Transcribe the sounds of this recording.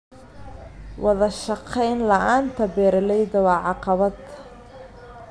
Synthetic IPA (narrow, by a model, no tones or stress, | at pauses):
wɑðɐʃɑqʰɛjnlɐʔaːnt̪ʰɐbɛːɾɐlɛjðɐwɑːʕɑqɑβɐd̪